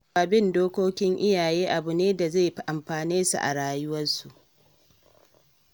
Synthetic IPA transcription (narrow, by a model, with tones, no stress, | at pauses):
a˨bɪ˦˨ndoː˦kʷoː˦kʲɪ˦ŋʔɪ˦jaː˨jeː˦ʔa˨bʊ˨neː˦da˨za˦˨ɸʔa˨mɸaː˨neː˦sṵ˨ʔa̰˨ɽaː˦jʊ˦wɐ˦nsu˨ʔ